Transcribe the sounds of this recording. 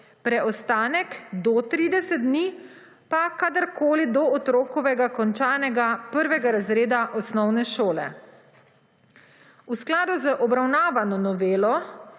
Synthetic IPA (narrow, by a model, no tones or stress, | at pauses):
pɾɛʔɔst̪aːnɛkd̪ɔt̪ɾiːd̪ɛsɛt̪̚d̪ni | pakad̪əɾkoːlid̪ɔɔt̪ɾoːkɔʋɛɡakɔnt͡ʃaːnɛɡapəɾʋɛɡaɾazɾeːd̪aʔɔsnɔwnɛʃoːlɛ̰ | usklaːd̪uzəʔɔbɾawnaːʋanɔnɔʋeːlɔ